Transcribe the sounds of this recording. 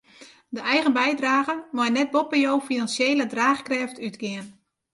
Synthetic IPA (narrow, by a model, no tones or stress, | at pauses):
dəʔɛjɣənbɛjdraːɣəmɔjnɛt̚bopəjowfinansjeːlədraːxkrɛftʰytɡɪən